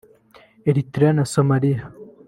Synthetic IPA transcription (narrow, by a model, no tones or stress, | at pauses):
eɾit̪ɾanasomalija